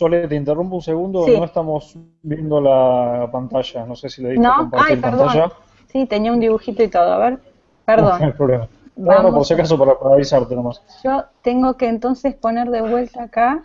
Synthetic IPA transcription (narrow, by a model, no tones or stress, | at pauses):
solet̪eint̪erumpunseɣund̪oːnnoest̪amo̞s | bje̞nd̪olapant̪aʃano̞sesiloðitneoompaɾaiɾpanɾðaʒa | sit̪eniaund̪iβuxit̪oit̪o̞ðoa̰βeɾ | peɾðonlpɾoβlema | nonoposakas̬opaɾapaɾaβisaɾt̪enomas | ʒ̥ot̪eŋɡo̞keːnt̪o̞nsespo̞neɾðeβwe̞lt̪aːka